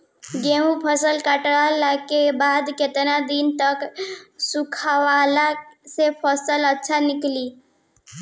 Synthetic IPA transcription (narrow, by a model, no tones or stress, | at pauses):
ɡeũpʰəsəlkaʈɽalakebaːd̪ket̪nad̪int̪əksukʰawalasepʰəsələtːʃʰanɪkli